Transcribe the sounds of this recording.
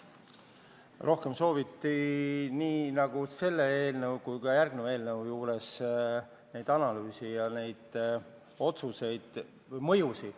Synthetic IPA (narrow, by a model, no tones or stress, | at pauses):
rʔo̞hke̞mso̞ːvit̪ːiniːnɑɡ̥use̞lːeeːlnəwkujkɑjærɡ̥̚neve̞ːlnəwjuːɾe̞s | ne̞jd̪̥ɑnɑlyːsijɑne̞jd̪̥ | o̞t̪suse̞jd̪̥ | mɤjusi